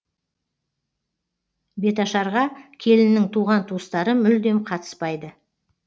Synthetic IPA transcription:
be̞t̪ɑʃɑɾʁɑkʲʰe̞lɪnːɪŋt̪ʰuʁɑnt̪ʰuəst̪ɑɾəmʏld̪e̞mqʰɑt̪ə̥spɑjd̪ə

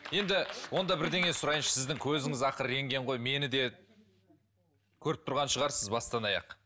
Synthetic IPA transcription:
je̞nd̪ɪwo̞nd̪ɑbɪɾd̪e̞ŋe̞jsʊɾɑjənʃsɪzd̪ɪŋkʲʰɵzɪŋɪzɑqəɾɾe̞ŋɡʲe̞ɴʁo̞jme̞nɪd̪e̞ | kʲʰɵɾɪp̚t̪ʰʊɾʁɑnʃəʁɑɾsɪzbɑst̪ɑnɑjɑ̰q

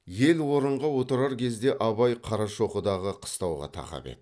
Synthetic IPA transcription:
je̞lwo̞ɾəɴʁɑwo̞t̪əɾɑɾkʲʰe̞zd̪e̞ʔɑβɑjqʰɑɾɑʃo̞qəd̪ɑʁəqʰə̥st̪ɑwʁɑ̰t̪ʰɑ̰qɑ̰pḛt̪

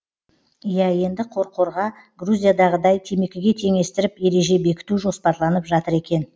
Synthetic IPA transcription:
jæje̞nd̪ɪqʰo̞ɾqʰo̞ɾʁɑ | ɡruzʲijad̪ɑʁəd̪ɑjt̪ʰe̞me̞kʲɪɡʲe̞t̪ʰe̞ŋe̞st̪ɪɾɪpje̞ɾe̞ʒe̞be̞kʲɪ̥t̪uʒo̞spɑɾlˠɑnəpʒɑt̪əɾe̞kʲe̞n

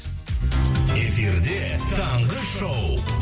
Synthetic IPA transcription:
e̞fiɾd̪e̞t̪ʰɑɴʁəʃow

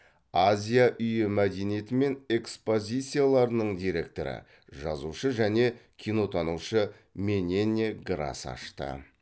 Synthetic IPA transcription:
azʲijaʔʏjɪmæd̪e̞nije̞t̪ɪme̞ne̞kspo̞zʲijt̪sɨjalˠɑɾənəɴd̪ijɾe̞k̚t̪o̞ɾɪ̰ | ʒɑzuʃəʒæne̞kʲʰino̞t̪ʰɑnuʃə | mʲe̞nʲenʲːeɡɾa̰sɑ̰ʃt̪ə̰

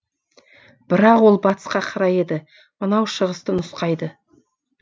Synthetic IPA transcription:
b̥ɪɾɑqwo̞lˠbɑt̪ə̥sqɑqʰɑɾɑje̞d̪ɪ | mənɑwʃəʁəst̪ənʊsqɑjd̪ə

